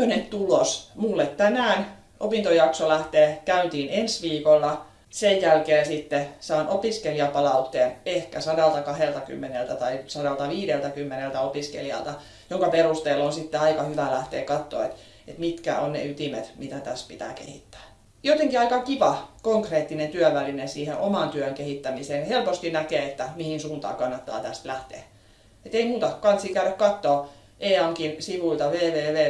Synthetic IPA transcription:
ønent̪ulosmulːet̪t̪ænæːn | ʔo̰pint̪ojɑksolæht̪eːkæynt̪iːnensʋiːkolːɑ | sejjælkeːsit̪ːesɑːnʔopiskeliɑpɑlɑut̪ːeːnehkæsɑdɑlt̪ɑkɑhelt̪ɑky̰mːenelt̪æt̪ɑisɑɾɑlt̪ɑʋiːɾelt̪ækymːenelt̪æopiskḛlijɑ̰lt̪ɑ | joŋkɑperust̪eːlːonsit̪ːeɑikɑhyʋælæht̪ḛːkɑt̪ːo̰ːḛt̪ | et̪mit̪kæ̰o̰nnḛyt̪imḛt̪mit̪æt̪æspit̪æ̰ːkḛhḭt̪ːæ̥ː | jot̪eŋkiɑikɑkiʋɑkoŋkreːt̪ːinent̪yœʋælinensiːheʔomɑˑnt̪yøŋkehit̪ːæmiseːnhelpost̪inækeːet̪ːæmihinsuːnt̪ɑ̰ːkɑnːɑt̪ːɑ̰ːt̪æst̪læht̪ḛː | et̪eimuːt̪ɑkɑnt̪sikæyɾækkɑt̪ːoː | ʔeːɑŋkinsiʋuilt̪ɑʋeːʋeːʋeː

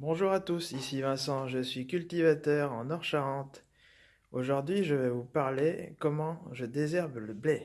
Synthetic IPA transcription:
bɔ̃ʒuʁat̪usisivɛ̃sɑ̃ʒəsɥikʲylt̪ivat̪œʁɑ̃nɔʁʃaʁɑ̃t̪ | oʒuʁd̪ɥiʒəvɛvupaʁlekɔmɑ̃ʒəd̪ezɛʁbləblɛ

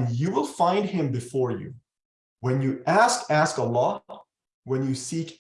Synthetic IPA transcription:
njɨwɪlˠfãɪ̃nd̚ɪ̃mbɨfɔɹjʉ̰ | wɨ̃njɨʔæskæskəlɔ | wə̃njɨsik

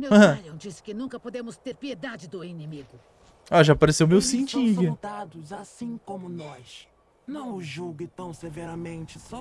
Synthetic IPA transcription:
mew̃aʎɐ̃w̃d͡ʒisɪ̥kɪnũkɐpod̪ẽmʊst̪eɾpied̪ad͡ʒɪd̪ʊinemiɡʊ | aʒapaɾesewmewsĩnt͡ʃĩvɐd̪ad̪ʊzasĩkõmʊnɔs | nɐ̃w̃ʊʒuɡɪt̪ɐ̃w̃sevɛɾɐmẽnt͡ʃɪsɔ

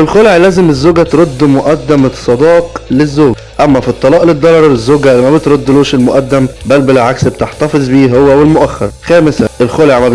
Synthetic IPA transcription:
elxoleʕlæːzemezːoːɡæt̪ɾod̪ːmoʔæd̪ːæmsˤɑd̪ɑːqlezːoːɡ | ʔæmːæfit̪ˤːɑlɑːʔled̪ːolɑɾˤezːoːɡæmæbet̪ɾod̪ːluːʃelmoʔæd̪ːæmbælbelʕaksb̚et̪eħt̪ɑfezˤbiːɦowːæwelmoʔæxːɑɾˤxæːmesæʔelxoleʕmæ

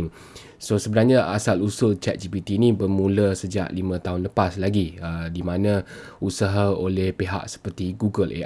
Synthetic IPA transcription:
ŋ | sosəbənarɲãasalusʊlt͡ʃɛ̰t̪̚d͡ʒibit̪iːnĩbərmũləsəd͡ʒa̰ʔlimə̃t̪aɦʊnləpaslaɡiədimãnã | usaɦaolɛhpeɦa̰ʔsə̥pərt̪iɡuɡəlʔḛ

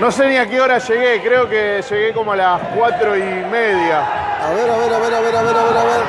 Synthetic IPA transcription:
no̞se̞niakeoɾaʃe̞ɣe̞kɾeokeʃe̞ɣe̞komoalaskwat̪ɾo̞imeðjaaβeɾaβeɾaβeɾaβeɾaβeɾaβeɾaβeɾ

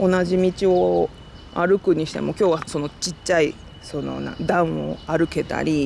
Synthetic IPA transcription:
o̞naʑimʲit͡ɕio̞ | a̰ɾɯ̟kɯ̟ɲ̟iɕi̥t̪e̞̰mo̞ːkʲo̞ːβaso̞no̞t͡ɕiːai | so̞no̰nã̰d̪ãɰ̃o̞̰aɾɯ̟ke̞t̪a̰ɾʲi

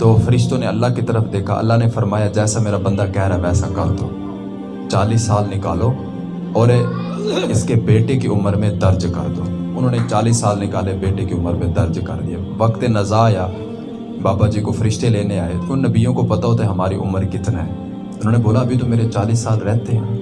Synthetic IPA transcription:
t̪oːfʰəɾɪʃt̪õːneəlːaːkit̪əɾəfd̪eːkʰa̰ːʔə̰lːaːnefʰəɾmaːjaːd͡ʒɛːsameːɾabə̃nd̪aːkɛɦɾaʋɛːsakəɾd̪o̰ː | t͡ʃaːliːsːaːlnɪkaːloː | ɔːɾe | ɪskebeːʈekeʊməɾmẽd̪əɾd͡ʒkə̰ɾd̪oːʊnɦõːnet͡ʃaːliːsːaːlnɪkaːlebeːʈekeʊmːəɾmẽd̪əɾd͡ʒkə̰ɾd̪ɪeːʋəkt̪enəzaːjaː | baːbaːd͡ʒiːkofʰəɾɪʃt̪eleːneaːeʊnːəbiːjõkopət̪aot̪ɛɦɐmaːɾḭʔʊ̰mːəɾkɪt̪naɦɛ̰ː | ʊnɦõːneboːlaəbʱit̪omeːɾet͡ʃaːliːsːaːlɾɛːt̪eɦɛ̃ː

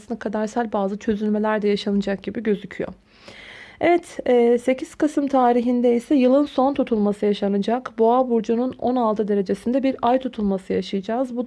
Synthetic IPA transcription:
ɯnd̪akʰad̪aɾsælʲbaːzɯt͡ʃʰø̞zylʲme̞lʲæɾd̪ɛjaʃanɯd͡ʒak̚ɟibiɟø̞zycʰyjo̞̰ | evɛt̪ɛːse̞cʰiz̥kɯsɯmt̪ʰaːɾiɦind̪ɛisɛjɯlˠɯnso̞nt̪ʰut̪ʰulˠmasɯjaʃanɯd͡ʒakboabuɾd͡ʒununo̞̰nalˠt̪ʰɯd̪e̞ɾe̞d͡ʒe̞sind̪ɛbiɾajt̪ʰut̪ʰulˠmasɯjaʃɯjɯd͡ʒaːzbud̪

